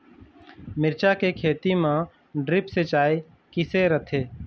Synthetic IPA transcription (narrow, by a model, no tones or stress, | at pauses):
mɪɾt͡ʃakekʰeːt̪imã | ɖɾɪpset͡ʃaːi | kɪseɾət̪ʰeː